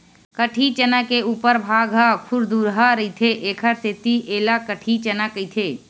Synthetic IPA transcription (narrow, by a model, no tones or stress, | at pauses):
kəʈʰit͡ʃənakeuːpəɾbʱaːɡɦəkʰuɾd̪uɾɦəɾəit̪ʰeʔeːkʰəɾset̪iʔeːlakəʈʰit͡ʃənakəjt̪ʰe